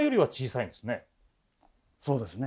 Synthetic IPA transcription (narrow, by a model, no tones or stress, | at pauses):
jo̞ɾʲiβat͡ɕiːsaĩnd̪esɨne̞ | so̞ːd̪e̞sɨne